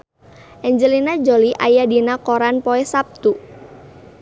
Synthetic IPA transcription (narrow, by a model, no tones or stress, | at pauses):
ʔɛɲd͡ʒəlinad͡ʒoliʔajadinakoɾanpoɛsap̚t̪u